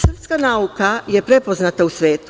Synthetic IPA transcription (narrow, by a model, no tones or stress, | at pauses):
sr̩pskanaukaje̞pɾe̞po̞znat̪ausʋe̞ːt̪u̥